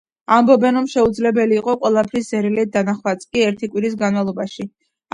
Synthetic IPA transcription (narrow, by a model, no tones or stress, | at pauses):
ambɔbɛnɾɔmʃɛud̪zlɛbɛliːqʼɔqʼwɛlˠapʰɾiszɛɾilɛd̪anaχwat̪sʼkʼiɛɾt̪ʰikʼwiɾis̬ɡanmalˠɔbaʃi